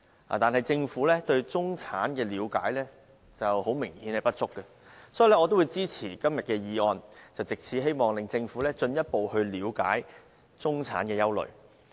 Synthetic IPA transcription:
a̰˨t̪aː˨nɦɐ˨˩jt͡sɪ˧ŋfuː˨˥lɛː˥t̪ɵ˧ɥt͡sʊ˥ŋt͡sʰaː˨˥nkɛː˧liː˨˧wka̰ː˨˥jlɛː˥ | t͡sɐ˨who˨˥wmɪ˨˩ŋhi˨˧ne˨jpɐ˥t̚t͡ʃʊ˥kːɛ˧ | sɔː˨˥ji˨˧lɛː˥ɔː˨˧t̪o˥wuː˨˧jt͡siː˥t͡sʰiː˨˩kɐ˥mjɐ˨t̚kɛː˧jiː˨˧ɔː˧nt͡sɐ˨˩wt͡sɪ˨k̚t͡sʰiː˨˥ɦe˥jmɔː˨ŋlɪ˨ŋt͡sɪ˧ŋfuː˨˥lɛː˥t͡ʃɵ˧njɐ˥t̚po˨whɵ˧ɥliː˨˧wka̰ː˨˥j | t͡sʊ˥ŋt͡sʰa̰ː˨˥nkɛː˧jɐ˥wlɵ̰˨˩ɥ

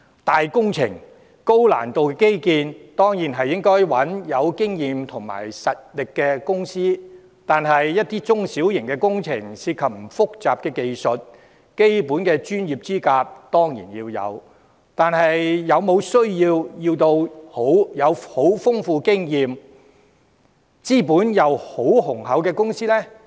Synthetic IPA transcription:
t̪aː˨jkʊ˥ŋt͡sʰɪ̰˨˩ŋ | ko˥wla̰ː˨˩nt̪o˨wkɛ˧˥ke˥jkiː˧nt̪ɔː˥ŋjiː˨˩nɦɐ˨jːɪ˥ŋkɔː˥jwɐ˨˥njɐ˨˧wkɪ˥ŋjiː˨mt̪ʰʊ˨˩ŋma̰ː˨˩jsɐ˨t̚lɪ˨kːɛː˧kʊ˥ŋsiː˥ | t̪aː˨nɦɐ˨jːɐ˥t̚t̪iː˥t͡ʃʊ˥ŋsiː˨˥wjɪ˨˩ŋkɛː˧kʊ˥ŋt͡sʰɪ̰˨˩ŋsiː˧t̚kʰɐ˨p̚m̩˨˩fʊ˥k̚t͡saː˨p̚kɛː˧ke˨jsɵ˨t̚ | ke˥jpuː˨˥nkɛː˧t͡ʃyː˥njiː˨p̚t͡siː˥kaː˧p̚t̪ɔː˥ŋjḭː˨˩njiː˧wjɐ̰˨˧w | t̪aː˨nɦɐ˨jjɐ˨˧wmo˨˧wsɵ˥ɥjiː˧wjiː˧wt̪o˧who˨˥wjɐ˨˧who˨˥wfʊ˥ŋfuː˧kɪ˥ŋjiː˨m | t͡siː˥puː˨˥njɐ˨˧who˨˥whʊ˨˩ŋɦɐ˨˥wkɛː˧kʊ˥ŋsiː˥lɛː˥

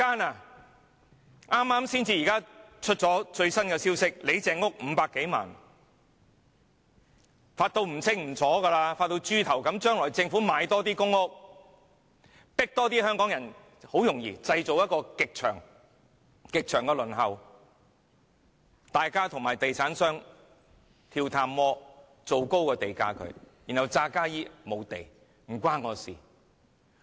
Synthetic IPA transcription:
aː˥naː˧ | aː˥mːaː˥msiː˥nt͡siː˧jiː˨kaː˥t͡ʃʰɵ˥t̚t͡sɔː˨˥t͡ʃɵ˧ɥsɐ˥nkɛ˧siː˥wsɪ˥k̚le˨˧jt͡sɛː˨˧ŋʊ˥k̚m̩˨˧˦paː˧kːe˨˥jma̰ː˨˩n | faː˧t̚t̪o˧wm̩˨˩t͡sʰɪ˥ŋm̩˨˩t͡sɔː˨˥ɡɐ˧laː˧faː˧t̚t̪o˧wt͡ʃyː˥t̪ʰɐ˨˩wkɐ˨˥mt͡ʃœː˥ŋlɔː˨˩jt͡sɪ˧ŋfuː˨˥maː˨˧jt̪ɔː˥t̪iː˥kʊ˥ŋːʊ˥k̚ | pɪ˥k̚t̪ɔː˥t̪̬iː˥hœː˥ŋkɔː˨˥ŋjɐ˨˩n | ho˨˥wjʊ˨˩ŋjiː˧t͡sɐ˧jt͡so˨wjɐ˥t̚kɔː˧kɪ˨k̚t͡ʃʰœ̰ː˨˩ŋ | kɪ˨k̚t͡ʃʰœː˨˩ŋkɛː˧lɵ˨˩nɦɐ˨w | t̪aː˨jkaː˥t̪ʰʊ˨ŋmaː˨˩jt̪e˨jt͡sʰaː˨˥nsœː˥ŋ | t̪ʰiː˧wt̪ʰaː˧mːɔː˥ | t͡so˨wko˥wkɛː˧t̪e˨jkaː˧˥kʰɵ̰˨˧ɥ | jiː˨˩nhɐ˨˩wt͡saː˧kaː˥jiː˥mo˨˧wt̪ḛ˨j | m̩˨˩kʷaː˥nŋɔː˨˧sḭː˨˩

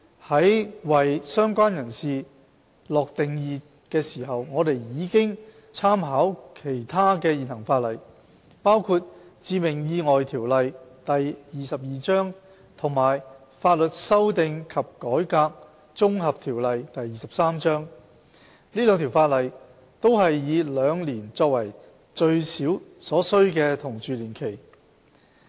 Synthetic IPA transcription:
hɐ˨˥jwɐ˨jsœː˥ŋkʷaː˥njɐ˨˩nsiː˨ | lɔː˨k̚t̪ɪ˨ŋjiː˨˧ | kɛː˧siː˨˩ɦɐ˨wŋɔː˨˧d̪e˨jjiː˨˧kɪ˥ŋ | t͡sʰaː˥mɦaː˨˥wkʰe˨˩jt̪ʰaː˥kɛː˧jiː˨nhɐ˨˩ŋfaː˧t̚lɐ˨˩j | paː˥wkʰuː˧t̚t͡siː˨˧mɪ˨˩ŋjiː˧ŋɔː˨jt̪ʰiː˨˩wlɐ˨jt̪ɐ˨jjiː˨sɐ˨p̚jiː˨t͡sœː˥ŋ | t̪ʰʊ˨˩ŋmaː˨˩j | faː˧t̚lɵ˨t̚sɐ˥wt̪ɪ˨ŋkʰɐ˨p̚kɔː˨˥jkaː˧k̚ | t͡sʊ˥ŋhɐ˨p̚t̪ʰiː˨˩wlɐ˨jt̪ɐ˨jːiː˨sɐ˨p̚saː˥mt͡ʃœː˥ŋ | liː˥lœː˨˧ŋt̪ʰi˨˩wfaː˧t̚lɐ˨j | t̪o˥wɦɐ˨jːiː˨˧lœː˨˧ŋliː˨˩nt͡sɔː˧k̚wɐ˨˩j | t͡ʃɵ˧ɥsiː˨˥wsɔː˨˥sɵ˥ɥkɛː˧t̪ʰʊ˨˩ŋt͡ʃyː˨liː˨˩nkʰe˨˩j

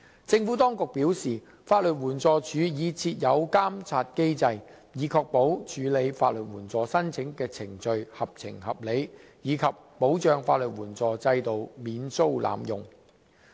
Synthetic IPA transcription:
t͡sɪ˧ŋfuː˨˥t̪ɔː˥ŋkʊ˨k̚piː˨˥wsiː˨ | faː˧t̚lɵ˨t̚wuː˨˩nt͡sɔː˨˧t͡ʃʰyː˨˧jiː˨˧t͡sʰiː˧t̚jɐ˨˧wkaː˥mt͡sʰaː˧t̚ke˥jt͡sɐ˧j | jiː˨˧kʰɔː˧k̚po˨˥wt͡ʃʰyː˨˧le˨˧jfaː˧t̚lɵ˨t̚wuː˨˩nt͡sɔː˨sɐ˥nt͡sʰɪ˨˥ŋkɛː˧t͡sʰɪ˨˩ŋt͡ʃɵ˨˧ɥhɐ˨p̚t͡sʰɪ̰˨˩ŋhɐ˨p̚le˨˧jjiː˨˧kʰɐ˨pːo˨˥wt͡ʃœː˧ŋfa̰ː˧t̚lɵ˨t̚wuː˨˩nt͡sɔː˨˧t͡sɐ˧jt̪o˨wmiː˨˧nso˥wla̰ː˨˥mjʊ˨ŋ

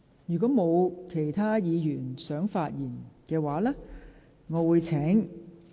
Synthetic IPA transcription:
jyː˨kɔː˨˥mo˨˧wkʰe˨˩jt̪ʰaː˥jiː˨˧jyː˨˩nsœː˨˥ŋfaː˧t̚jiː˨˩nkɛː˧waː˨˧˦lɛː˥ | ŋɔː˨˧wuː˨˧jt͡sʰɛː˨˥ŋ

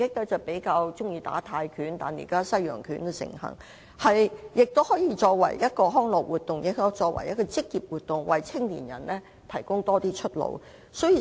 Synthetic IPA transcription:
kɪ˥k̚lɛː˥t͡sɐ˨wpe˨˥jkaː˧wt͡ʃʊ˥ŋjiː˧t̪a̰ː˨˥t̪ʰaː˧jkʰyː˨˥nt̪a̰ː˨˩njḭ˨˩kaː˥sɐ˥jjœ̰ː˨˩ŋkʰyː˨˥nɛ˧sɪ̰˨˩ŋhɐ̰˨˩ŋ | hɐ˨jjɪ˨k̚t̪o˥whɔː˨˥jiː˧t͡ʃɔː˧k̚wɐ̰˨˩jjɐ˥t̚kɔː˧ɦɔː˥ŋlɔː˨k̚wuː˨˩t̚t̪ʊ˨ŋjɪ˨˧kɔ˥t͡ʃɔː˧k̚wɐ̰˨˩jɐ˥kːɔː˧t͡sɪ˥k̚jiː˨p̚wuː˨t̚t̪ːʊ˨ŋwɐ˨jt͡sʰɪ˥ŋlḭ˨˩njɐ̰˨˩nlɛː˥ | t̪ʰɐ˨˩jkʊ˥ŋt̪ɔː˥t̪iː˥t͡ʃʰɵ˥t̚lo̰˨˧w | sɔ˨˥ji˧

